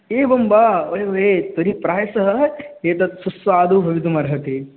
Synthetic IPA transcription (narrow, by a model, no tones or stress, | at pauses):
eːbɐmbaːʋɐɦeʋɐɦet̪oɾipɾaːjɐsɐɦɐeːt̪ɐt̪susʋaːd̪ubʱɐʋit̪̬umɐɾɦɐt̪e